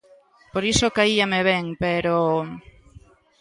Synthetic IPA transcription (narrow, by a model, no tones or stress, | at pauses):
poɾisokaiameβeŋpeɾo